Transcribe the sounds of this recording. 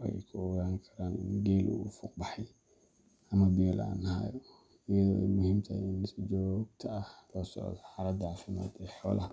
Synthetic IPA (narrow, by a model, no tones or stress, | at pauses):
ʔɛ̰jkʰʊɔɣaːŋkʰɐɾaːnɪ̰nɡeːlʔṵfʊqbɐħɛ | ʔɐmɐbɪjɔlʔa̰nhaːjɔ | ɪjɐðɔ̰ːmʊhɪmt̪ʰɐ̰ɪnsd͡ʒɔɡ̚t̪ʰɐʔɐhlɔːsɔ̰ʕd̪ɔħaɾɐd̪ʕafɪma̰ːd̪ɛħɔ̰ːlʔɐɐ